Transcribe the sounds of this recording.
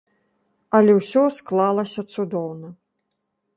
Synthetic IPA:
ɐlʲɛwsʲɔsklˠalˠɐsʲɐt̪sud̪ɔwnɐ

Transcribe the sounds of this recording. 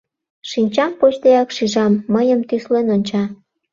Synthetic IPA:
ʃinʲt͡ɕɑmpot͡ɕt̪ejɑkʃiʒɑmːəjəmt̪yslenonʲt͡ɕɑ

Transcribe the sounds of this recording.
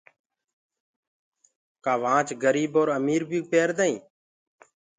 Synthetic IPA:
kaːʋãːt͡ʃɡəɾiːboːɾəmiːɾbʱiːpeːɾd̪aːĩː

